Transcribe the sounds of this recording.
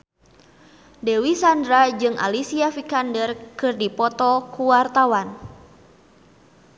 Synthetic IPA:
dɛwisandɾad͡ʒɨŋʔa̰lisiafikandərkɨrdipɔt̪ɔkuwart̪awan

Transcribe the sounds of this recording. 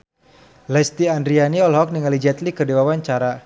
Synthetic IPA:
lɛst̪iandɾianiɔlɦɔk̚niŋalid͡ʒɛt̪likədewawaɲt͡ʃaɾa

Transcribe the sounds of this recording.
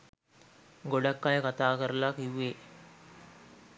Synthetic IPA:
ɡoɖakːajəkat̪aːkəɾəlaːkiʋːeː

